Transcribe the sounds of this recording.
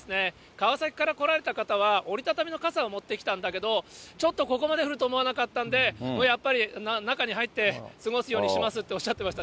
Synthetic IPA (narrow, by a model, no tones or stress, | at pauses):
desɨne̞ | kaβasakʲi̥kaɾako̞ɾaɾe̞t̪akat̪aβ̞ao̞ɾʲit̪at̪amʲino̞kasaomo̞t̪ːe̞kʲi̥t̪ãnd̪ake̞d̪o̞t͡ɕo̞t̪ːo̞ko̞ko̞mad̪e̞ɸɯ̟ɾɯt̪o̞ːmo̞anakat̪ːãnd̪e̞moːjapːaɾʲinnakaɲ̟iɦait̪ːe̞sɨɡo̞sɨjo̞ːɲiɕimasɨt̪ːe̞o̞ɕːat̪ːe̞maɕi̥t̪a